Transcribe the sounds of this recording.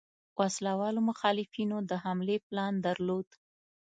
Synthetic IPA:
wʔaslawɑlomʊxɑlɪfinod̪əhamleplɑnd̪aɾlod̪

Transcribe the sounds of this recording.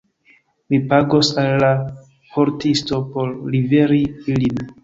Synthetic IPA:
mipaɡo̞salːa | po̞ɾtisto̞po̞ɾːive̞ɾiilin

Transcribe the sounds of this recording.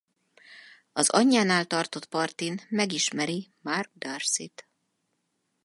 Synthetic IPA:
ɒzɒɲːaːnaːlt̪ɒrt̪o̞t̪pɒrt̪inmɛɡiʃmɛɾimarɡ̚d̪arsit̪

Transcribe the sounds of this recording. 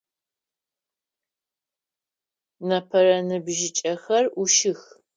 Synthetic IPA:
nɐpʰɐrɐnɨbʒɪt͡ʃʼɐxɐruʃɪx

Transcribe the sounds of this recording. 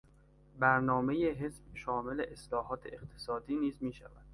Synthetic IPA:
bæɾnɒːmejeɦesbʃɒːme̞leʔeslɒːɦɒːt̪ʰeeqt̪ʰe̥sɒːd̪iːniːzmiːʃæ̰væd̪̥

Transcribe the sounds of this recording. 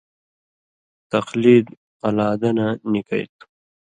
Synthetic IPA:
t̪ɐqliːd̪ | alaːd̪ananika̰jt̪

